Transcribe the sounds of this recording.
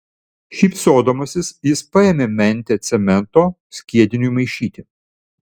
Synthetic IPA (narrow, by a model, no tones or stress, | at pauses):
ʃʲiːpsoːd̪oːmɐsʲɪsjɪspɐeːmʲeːmʲɛnʲˑt̪ʲeːt̪sʲɛmʲɛnt̪oː | sʲkʲiɛd̪ʲɪnʲujmɐɪʃʲiːt̪ʲɪ